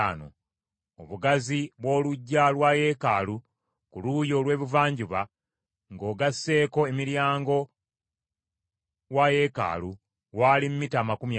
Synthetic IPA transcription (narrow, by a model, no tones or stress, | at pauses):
ano̰ | oβuɡaziβwo̞ːluɟːalwaje̞ka̰lu | kulujo̞ːlwe̞ːβuvaːɲɟuβa | ŋɡo̞ːɡasːe̞ːko̞e̞miɾjaːŋɡo̞ | waje̞ka̰ːlu | waːlim̩mitaːmakumja